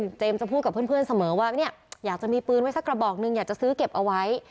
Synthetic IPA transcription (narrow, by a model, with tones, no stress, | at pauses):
t͡ɕeː˧mt͡ɕa˨˩pʰuː˥˩ka˨˩pʰɯ˥˩˨npʰɯ˥˩ə˨nsa˧mɤː˩˦waː˥˩ni˥˩ɐjaː˨˩k̚t͡ɕa˨˩miː˧pɯː˧nwa˦˥jsa˦˥kːɾa˧bɔː˨˩k̚nɯ˧ŋjaː˨˩k̚t͡ɕa˨˩sɯː˦˥ke˨˩p̚ʔa˧wa˦˥j